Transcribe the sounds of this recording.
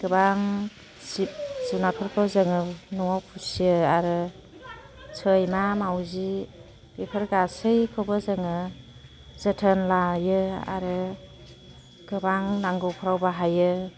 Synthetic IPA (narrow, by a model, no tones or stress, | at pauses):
ɡ̥ɯbaŋ | sisinatʰɔɾkʰɔzɯŋɯnɔwawpʰusijɯaɾɯ | sʰɯjmamawzi | b̥epʰəɾɡasɯjkʰɯbɯzɯŋɯ | z̥ɯtʰənlajɯa̰ɾɯ | ɡ̥ɯbaŋnaŋɡɯwpʰɔɾawbaɦajɯ